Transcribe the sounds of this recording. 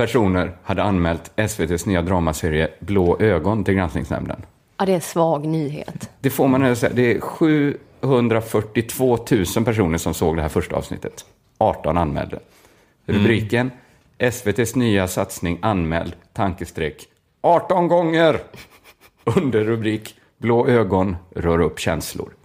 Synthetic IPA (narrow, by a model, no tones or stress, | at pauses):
pʰæʂuːnəɾhad̪ːəanmɛːlt̪ɛsveːt̪ʰeːsnyːad̪ɾɑːmaseːɾɪəbloːʔøːɡɔnt̪ʰɪlɡɾansnɪ̰ŋsnɛ̰mnə̰n | d̪ɛɛnsvɑːɡnyːɦḛːt̪d̪̥ɛfoɾmanɛlsɛad̪ɛæɧʉ̟ː | hɵnd̪ɾafœʈːɪt̪ʰv̥oːt̪ʰʉ̟ːsənpʰæʂuːnəʂɔmsoːɡ̚d̪ɛɦæːɾfœʂʈaɑ̰ːvsnɪ̰t̪ːət̪ | ʔɑːʈɔnanmɛ̰ːld̪ə̰ | ɾɵbɾiːkən | ʔɛsveːt̪ʰeːsnyːasat̪snɪŋanmɛ̰ːld̪t̪ʰaŋkəst̪ɾɛkː | ʔɑːʈɔnɡɔŋːəɾ | ɵnd̪əɾːɵbɾiːk | bloːʔøːɡɔnɾœːɾɵpːɕɛnslʊ̰ɾ